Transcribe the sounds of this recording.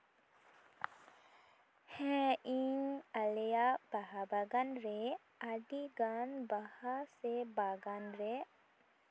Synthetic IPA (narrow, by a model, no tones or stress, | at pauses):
hɛ̃iŋɐlejabaɦabaɡanɾe | aɖiɡanbahasebaɡanɾe